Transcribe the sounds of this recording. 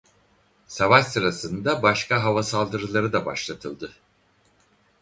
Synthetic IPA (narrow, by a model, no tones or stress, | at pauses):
savaʃsɯɾasɯnd̪abaʃkʰaɦavasalˠd̪ɯɾɯlˠaɾɯd̪aba̰ʃlˠat̪ʰɯlˠd̪ɯ